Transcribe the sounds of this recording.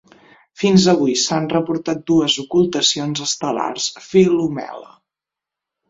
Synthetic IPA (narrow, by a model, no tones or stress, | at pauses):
finzəβ̞ujsanrəpuɾt̪at̪̚d̪uəzukulˠt̪əsionzəst̪əla̰rsfilumɛ̰lə̰